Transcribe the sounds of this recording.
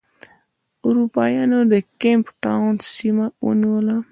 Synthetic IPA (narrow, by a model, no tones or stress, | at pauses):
ʊɾupɑjɑnod̪əkempʈawnsimawə̰niwəla